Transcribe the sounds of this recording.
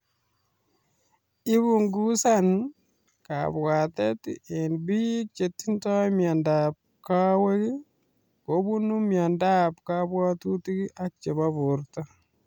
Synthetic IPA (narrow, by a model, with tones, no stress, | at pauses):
ɪ˦bu˨ŋɡu˦sa˦n | ka̰bwa˨te˦te˨nbi˦k̚t͡ʃe˨tːi˦ntɔ˦mja˨ndap̚ | ka˦we˦ki˦ | ko˨˦bu˦nu˦mja˨nda˦pkabwa˦tu˦ti˦ki˦ʔa˦k̚t͡ʃe˨ba˦bʊ˨ɾta˦